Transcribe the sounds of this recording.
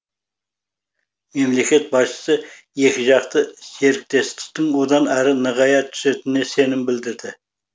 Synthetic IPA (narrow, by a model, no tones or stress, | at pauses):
me̞mle̞kʲe̞t̪̚bɑst͡ʃə̥sə | je̞kʲɪʒɑqt̪əse̞ɾɪk̚t̪e̞st̪ɪ̥k̚t̪ɪŋwod̪ɑnæɾɪnəʁɑjɑt̪ʰʏ̥se̞t̪ɪne̞se̞nɪmbɪld̪ɪɾd̪ɪ